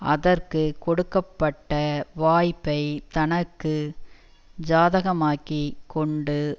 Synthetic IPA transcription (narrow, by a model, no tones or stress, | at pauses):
ɐðɐrkɯkɔɽɯkːɐpːɐʈːɐʋaːjpːɐɪt̪ɐnɐkːɯ | d͡ʒaːðɐɣɐmaːkːikːɔɳɖɯ